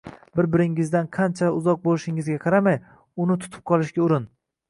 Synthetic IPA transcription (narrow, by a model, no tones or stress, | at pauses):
bɪɾbɪɾɪŋɪzd̪anqʰɑnt͡ʃʰaʊzɒq̚bolɪʃɪŋɪzɡʲaqʰɑɾamaj | ʊnɪt̪ʰʊ̥t̪ʰʊ̥p̚qʰɒlˠɪʃɡʲaʊɾɪn